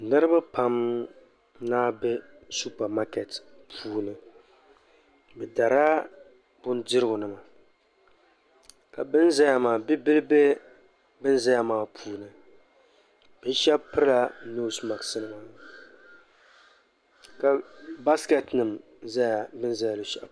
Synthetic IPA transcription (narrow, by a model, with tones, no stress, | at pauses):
nɨ˦ɾɨ˦ba˦pa˦m | naː˦bɛ˦ | su˦pa˨ma˦kɛ˨tpʰuː˦nɨ˨ | bɛ˨da˨ɾaː˦ | bʊ˦n˦dɪ˦ɾɨ˦ɡʊ˨nɨ˦ma˨ | ka˨bɨ˦nza˦ja˨maː˨bi˦bɨ˦lɨ˦be˦ | bɨ˦n˦za˦ja˦maː˨pʰuː˦nɨ˨ | b̥ɨ˦ʃɛ˦bpɨ˦ɾɨ˦la˦nu˦sma˨ɡsɨ˦nɨ˦ma˨ | ka˨ba˦skɛ˨tnɨ˨m | za˦ja˨bɨ˦n˦za˦ja˨lɨ˨ʃɛ˦˨